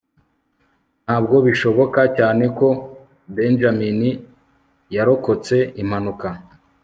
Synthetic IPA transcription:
n̥aːbɡo̞βiʃo̞βo̞kacaːne̞ko̞ | be̞nʒamini | jaɾo̞ko̞t͡se̞im̥hanuka

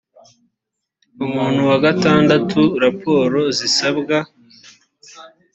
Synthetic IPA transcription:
umuːn̤̥huwaɡataːndatʰuɾapʰo̞ːɾo̞zisabɡa

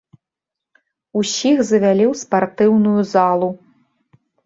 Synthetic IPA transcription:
usʲixzɐvʲalʲiwspart̪ɨwnujuzalˠu

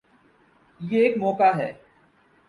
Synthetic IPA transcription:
jeːkmɔːkaɦɛ̰ː

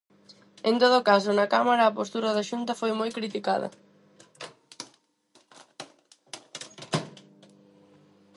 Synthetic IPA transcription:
ẽnt̪oð̞okas̬onɐkamaɾaːpost̪uɾɐðaʃunt̪ɐfojmojkɾit̪ikaðɐ̰

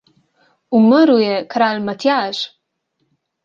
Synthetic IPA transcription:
uməɾujɛkɾalmat̪jaːʃ

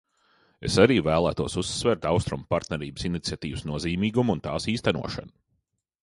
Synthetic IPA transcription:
ḛsaɾiːvæːlˠæːt̪uɔsusːvɛɾt̪awst̪ɾumpaɾt̪nɛɾiːbsinit̪sʲiat̪iːvsnuɔziːmiːɡumunt̪aːsiːst̪ænṵɔʃa̰n

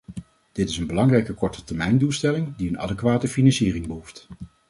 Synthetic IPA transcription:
d̥ɪtɪsənbəlɑŋrɛjkəkɔɹtətɛɹmɛjndulˠstɛlɪŋdiənɑ̰dəkʋaːtəfinɑnsiːrɪŋbəɦuft

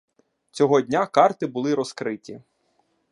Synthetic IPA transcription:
t͡sʲɔɦɔdʲnʲakɑrt̪ɪbʊlˠɪɾɔskɾɪtʲi

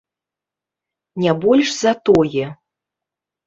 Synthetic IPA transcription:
nʲɛbɔlʲʂz̥at̪ɔjɛ

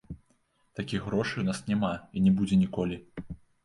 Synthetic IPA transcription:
t̪akʲixɣɾɔʂɨjwnasnʲɛmainʲɛbud͡zʲɛnʲikɔlʲi

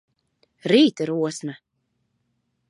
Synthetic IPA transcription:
ɾiːt̪ɨɾuɔsma

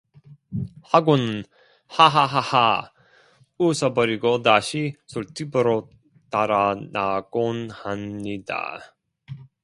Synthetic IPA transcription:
haɡun | haɦaɦaha | usʌbʌɾiɡotaɕisoɭtʰibɯɾo | t̪aɾanaɡ̥onhamɲida̰

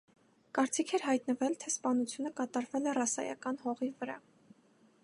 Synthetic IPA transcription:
kɑɾt͡sikʰɛɾɦɑjt̪nəvɛlt̪ʰɛspɑnut͡sʰjunəkɑt̪ɑɾvɛlɛrɑsɑ̰jɑ̰kɑnhɔʁivəɾɑ̰

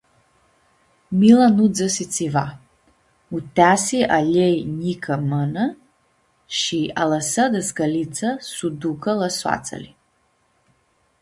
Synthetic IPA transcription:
milanud͡zɐsit͡sʰʼiva̰ | utasiʔaʎejɲikʰɐmənɐ | ʃialɐsɐdɐsɡɐlit͡sʰɐsudukɐlɐswa̰t͡sʼɐ̰li

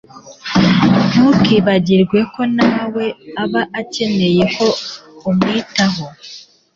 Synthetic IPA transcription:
mukiβaɟiɾɡwe̞ko̞naːwe̞aβaʔace̞ne̞je̞ho̞umŋiːtaɦo

